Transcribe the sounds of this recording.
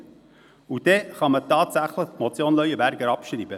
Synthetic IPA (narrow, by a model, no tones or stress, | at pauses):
ud̥ɛχɑmətɑːtsæχləχmɔt͡sjoːnlœʏəbæɾɡəɾɑpʃɾiːbə